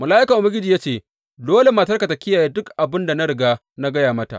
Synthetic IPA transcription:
mɐ˨laː˦ʔɪ˦kɐ˨ʔʊ˨bɐ˦ɾɡʲɪ˦d͡ʒi˨jaː˦t͡ʃeː˦˨ | doː˦le˨maː˨t̬ɐ˦rka˨ta˨kʲɪ˦jaː˨jeː˦dʊ˦kʔa˨bɪ˦nda˨na˦ɽɪ˨ɡaː˦ | na˦ɡɐ˦jaː˨mɐ˦ta̰˨ʔ

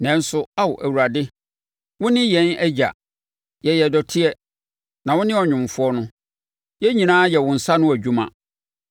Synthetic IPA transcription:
nɛ̃˦n̩˦sʊ˦a˦wʊ˨ʔæ˨wu˨ɾa˨dɪ˦ | wʊ̃˦nɪ̃˦jɛ̃˨˦næ˦d͡ʑa̰˨ | jɛ˨jɛ˨dɔ˨tʰɪ˦ɛ˦ | nã˨wʊ̃˦nɪ̃˦ɔ˨ɲᶣʊ̃˨m˨fʊ˦ɔ˦nʊ̃˦ | jɛ˦ɲĩ˨nãː˦jɛ˨wʊ̃˨n̩˨sa˦nʊ̃˦æ˨d͡ʑᶣu˦mã̰˨

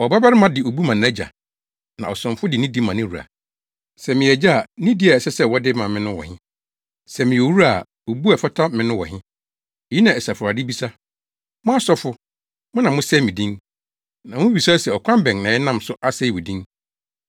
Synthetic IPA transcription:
ɔ˨ba˦ba˦ɾɪ˦mã˨dɪ˨o˨bu˦mã˨nɛ˦d͡ʑa̰˨ | nã˨ɔ˨sʊ̃˨mfʊ˦dɪ˨nĩ˦di˦mã˨nɪ̃˦ɾu˨a̰˨ | sɛ˨mɪ̃˨ɛ˨d͡ʑa˦a˨nĩ˦di˦a˨ɛ˨sɛ˦sɛ˦wɔ˦dɪ˦mã˨mɪ̃˦nʊ̃˦wɔ̰˨hɪ̃˦ | sɛ˨mɪ̃˨o˨wu˦a˨ | o˨bu˦a˨fa˦tʰa˦mɪ̃˨nʊ̃˦wɔ̰˨ɦɪ̃˦ | ɛ˨ji˦nã˨ɛ˨sa˨fʊ˨ɾa˨dɪ˦bi˦sa˦ | mʊ̃˦a˦sɔ˦fʊ˦ | mʊ̃˦nã˨mʊ̃˦sɛ˦˨mɪ̃˨dĩ˦ŋ | nã˨mʊ̃˦bi˨sa˦sɛ˨ɔ˨kʷʰã˦mbɛ̃˨ŋnã˨jɛ˦nã˦msʊ˦ʔa˦se˦i˦wɔ˨dĩ˦ŋ

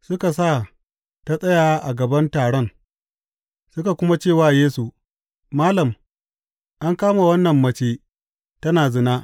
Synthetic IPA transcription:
sʊ˦ka˨saː˦˨ | ta˦sʼɐ˦jaː˨˦ʔa˨ɡɐ˨bɐ˦ntaː˨ɽɔ˦˨ŋ | sʊ˦ka˨kʷʊ˦ma˦t͡ʃeː˦˨waː˦jeː˦su˨ | maː˦lɐ˨m | ʔa˦ŋkaː˦ma˨wɐ˦nːɐ˨mːɐ˦t͡ʃeː˦ | tɐ˦naː˨zɪ˦naː˦ʔ

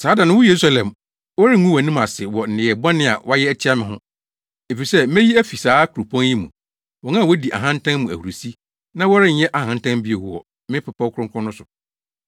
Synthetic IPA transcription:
saː˨˦dã˨nʊ̃˦wɔ˦je˨ɾu˦sa˦lɛ̃˨m | wɔ˦ɾɪ˦ŋũ˦wɔ˨nĩ˦ma˨sɪ˨wɔ˨n̩˨ɪ̃˨ɛ˨bã˦nɪ̃˦˨a̰˨wʔa˦jɛ˦æ˦t͡ɕʰi˦a˦mɪ̃˨ɦʊ̰̃˦ | e˨fi˨sɛ˦mɛ̃˦ji˦æ˦fi˨saː˨˦kʰu˨ɾu˨pʰɔ̃˦nji˦mṵ̃˨ | wɔ̃˨nã˦˨wɔ˦di˨ʔa̰˨ɦã˦n̩˦tʰã˦nmũ˨æ̰˨hu˨ɾu˨si˦ | nã˦wɔ˦ɾɪ˦n̩˦jɛ˦ʔa˨hã˨n̩˦tʰã˦mbi˦e˨hu˨wɔ̰˨ | mɪ̃˦pʰa˨pʰa˦kʰʊ˦ɾʊ̃˦ŋkʰɔ̃˦nʊ̃˦sʊ˨

